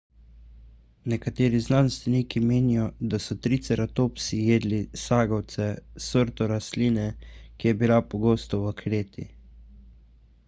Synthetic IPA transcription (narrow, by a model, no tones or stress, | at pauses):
nɛkat̪eːɾiznanst̪ʋɛniːkimeːnijɔd̪asɔt̪ɾit̪sɛɾat̪oːpsijeːd̪lisaːɡɔwt̪sɛsəɾt̪ɔɾasliːnɛkijɛbilapɔɡoːst̪ɔwakʰɾeːt̪ḭ